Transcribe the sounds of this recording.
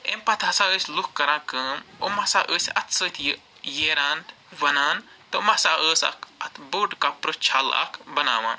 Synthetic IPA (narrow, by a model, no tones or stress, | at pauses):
empɐt̪ʰɐsaəːsʲlukkːɐɾãːkəːmomɐsaːʔəːsʲɐt̪ʰsəːt̪ʰij | jeːɾaːn | ʋɐnaːn | t̪ɐmɐsaːʔəːsɐ̰kʰɐt̪ʰboːɖkapɾɨt͡ʃʰalɐ̰kʰbɐna̰ːʋã̰ːn